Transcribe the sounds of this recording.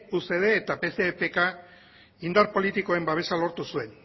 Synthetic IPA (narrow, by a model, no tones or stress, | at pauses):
use̞ð̞e̞ːt̪ape̞se̞pe̞ka | ind̪aɾpo̞lit̪iko̞e̞mbaβ̞e̞salo̞ɾt̪usue̞n